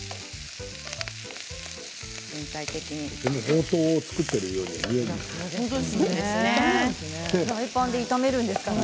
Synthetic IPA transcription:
zẽnt̪ait̪ekʲiɲidenohoːt̪o̞ːt͡sɨ̥kɯt̪ːe̞ɾɯjoːniijoɡ̪o | eɾaipãnd̪e̞it̪ame̞ɾɯ̟̃nd̪e̞sɨ̥ka

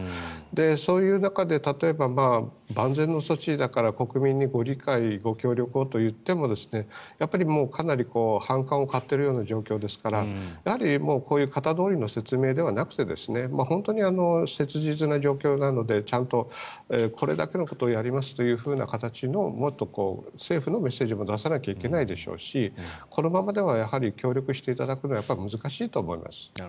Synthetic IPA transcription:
d̪e̞so̞ːjɯ̟ːnakad̪e̞t̪at̪o̞e̞bamaː | bãnd͡zẽ̞nːo̞so̞t͡ɕid̪akaɾako̞kɯ̟mʲĩɲ̟ːiɡo̞ɾʲikaiɡo̞kʲo̞ːɾʲo̞kɯ̟o̞t̪o̞jɯ̟t̪ːe̞mo̞d̪e̞sɨ̥nejapːaɾʲimo̞ːkʰanaɾʲiko̞ːhãŋkãɰ̃o̞kat̪ːe̞ɾɯ̟joːnaʑo̞ːkʲo̞ːd̪e̞sɨ̥kaɾajahaɾʲimo̞ːko̞ːjɯ̟ːkat̪ad̪o̞ːɾʲino̞se̞t͡sɨme̞ːd̪e̞β̞anakɯ̟̥t̪e̞d̪e̞̰sɨne̞mahõ̞nt̪o̞ɲ̟iano̞se̞t͡sɨʑit͡sɨnaʑo̞ːkʲo̞ːnano̞d̪e̞t͡ɕãnt̪o̞ | ekʰo̞ɾe̞̰d̪a̰ke̞no̞ko̞t̪o̞ːjaɾʲimasɨ̥t̪o̞jɯ̟ːɸɯ̟ːna̰kat̪at͡ɕino̞mo̞t̪ːo̞ko̞ːse̞ːɸɯ̟no̞me̞sːe̞ːʑimo̞d̪asanakʲaike̞naid̪e̞ɕo̰ːɕikʰo̞no̞mamad̪e̞β̞ajahaɾʲikʲo̞ːɾʲjo̞kɯ̟ɕi̥t̪e̞it̪ad̪akɯno̞ajapːaɾʲimɯzɨkaɕiːt̪o̞ːmo̞̰ḭmʔa̰sɨ̥

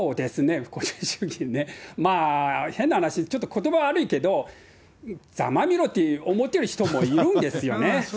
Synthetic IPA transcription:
oːd̪e̞sɨne̞ko̞ɕɨ̥ɕɨ̥ɡʲĩnːemaːhe̞nːahanaɕit͡ɕo̞t̪ːo̞kʰo̞t̪o̞baβaːɾɯ̟ike̞d̪o̞ | d͡za̰mamʲiɾo̞t̪ːeomo̞t̪ːeɾɯ̟çi̥t̪o̞mo̞iɾɯ̟̃nd̪e̞sɨjo̞ne̞

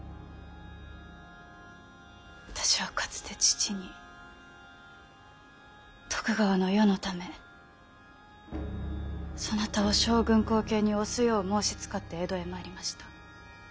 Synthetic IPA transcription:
βat̪ḁɕiβ̞akʰḁt͡sɨ̥t̪e̞t͡ɕi̥t͡ɕiɲ̟i | t̪o̥kɯ̟ɡaβano̞jo̞no̞t̪ame̞ | so̞nat̪aoɕo̞ːɡɯ̟̃ŋko̞ːke̞ːɲ̟io̞sɨjo̞ːmo̞ːɕi̥t͡sɨ̥kat̪ːe̞ːd̪o̞e̞moaɾʲimaɕi̥t̪ḁ

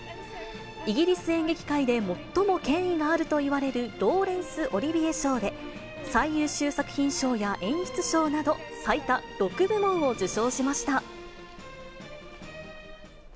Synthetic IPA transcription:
iɡʲiɾʲisɨẽ̞ŋɡe̞kʲi̥kaid̪e̞mo̞t̪ːo̞mo̞kẽ̞ɰ̃iɡaːɾɯ̟t̪o̞iβaɾe̞ɾɯ̟ɾo̞ːɾẽ̞ɰ̃sɨʔo̞ɾʲibʲieɕo̞ːd̪e̞ | saijɯːɕɨːsakɯ̟̥çʲĩɰ̃ɕo̞ːjaʔẽ̞ɰ̃ɕɨ̥t͡sɨ̥ɕo̞ːnad̪o̞sait̪aɾo̞kɯ̟bɯ̟mõɰ̃o̞d͡ʑɨɕo̞ːɕimaɕi̥t̪a

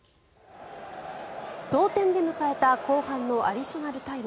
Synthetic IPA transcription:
d̪̥o̞ːt̪ẽ̞nd̪e̞mɯ̟kae̞t̪ako̞ːhãnːo̞ʔa̰ɾʲiɕo̞naɾɯ̟t̪aim

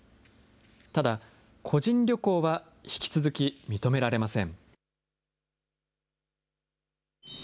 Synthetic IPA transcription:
t̪ad̪a | kʰo̞ʑĩnɾʲo̞ko̞ːβa | çi̥kʲi̥t͡sɨzɨkʲimʲit̪o̞me̞ɾaɾe̞masẽ̞ŋ

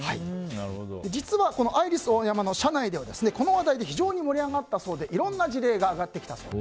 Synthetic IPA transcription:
hainaɯhd̪od̪e̞d͡ʑit͡sɨβako̞no̞ʔaiɾʲisɨojamano̞ɕanaid̪e̞βad̪e̞sɨne̞ko̞no̞βad̪aid̪e̞çiʑo̞ːɲ̟imo̞ɾʲiaɡat̪ːaso̞ːd̪e̞ʔiɾõ̞nːad͡ʑiɾe̞ːɡaːɡat̪ːe̞kʲi̥t̪aso̰ː

